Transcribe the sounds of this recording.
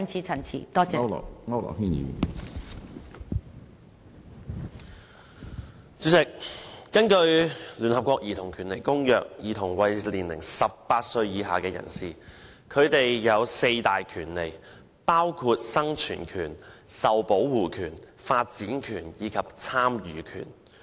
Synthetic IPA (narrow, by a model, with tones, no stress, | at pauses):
nt͡sʰiː˨t͡sʰɐ˨˩nt͡sʰḭ˨˩t̪ɔː˥t͡sɛ̰˥˨ŋɐ˥wlɔ̰˨˩hiː˥njḭː˨˧ | t͡sy˨˥sɪ˨k̚ːɐ˥nkɵ˧ɥlyː˨˩nhɐ˨p̚kʷɔː˧k̚jiː˨t̪ʰʊ˨˩ŋkʰyː˨˩nle˨˩jkʊ˥ŋjœː˨k̚jiː˨˩t̪ʰʊ˨˩ŋwɐ˨jliː˨˩nlɪ̰˨˩ŋsɐ˨pːaː˧t̚sɵ˧ɥjiː˨˧ɦa̰ː˨kɛː˧jɐ̰˨˩nsiː˨ | kʰɵ˨˧ɥt̪e˨jːɐ˨˧wse˧jt̪aː˨jkʰyː˨˩nle˨˩j | paː˥wkʰuː˧t̚sɐ˥ŋt͡ʃʰy̰ː˨˩nkʰyː˨˩nsɐ˨wpo˨˥wwuː˨kʰyː˨˩nfaː˧t̚t͡siː˨˥nkʰyː˨˩njiː˨˧kʰɐ˨p̚t͡sʰaː˥mjyː˨˧kʰy̰ː˨˩n